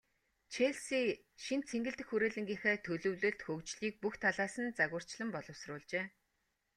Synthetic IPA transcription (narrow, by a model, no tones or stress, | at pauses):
t͡ɕʰeɮsiː | ʃint͡sʰeŋɡɘ̆ɬt̪ɘ̆xuɾeːɮɘ̆ŋɡʲiːŋxeːt̪ʰɵɮɵ̆wɮɵ̆ɮt̪xɵkt͡ɕɮiːk̚puxt̪ʰaɮaːsə̆nt͡saɣʊ̆r̥t͡ɕɮə̆mpɔɮɞ̆wsrʊːɮt͡ɕeː